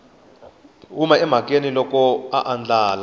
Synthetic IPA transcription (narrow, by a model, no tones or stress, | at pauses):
umaɛm̤ak̬ʼenilɔkɔaʔand͡ɮaːla